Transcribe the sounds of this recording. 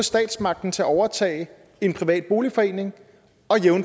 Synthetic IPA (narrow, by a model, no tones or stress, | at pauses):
sd̥ɛ̰ːd̥smɑ̈ɡ̥̚d̥n̩t͡sʰe̝æɒʊɐt͡sʰɛ̰ːɪ | e̝npʰʁiʋɛ̰ːd̥̚b̥o̝ːlifɒ̽e̝ːne̝ŋ | ɒ̽jeʊn